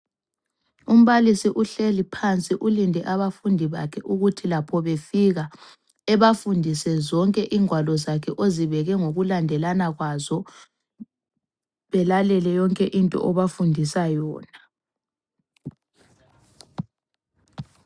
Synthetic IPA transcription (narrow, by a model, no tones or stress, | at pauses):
um̩βalisiʔuɬelipʰant͡sʼiʔulindʱɛʔaβafundʱiβa̰kʰɛʔuɣutʰilapʰɔβefiɣa | ɛβafundʱisɛzɔŋkʼɛʔiːŋwalɔzakʰɛʔoziβɛɣɛŋoɣulandʱɛlanaɣwazɔ | βɛlalɛlɛjɔŋkʼɛʔintʼɔ̰ʔɔβafundʱisajɔːna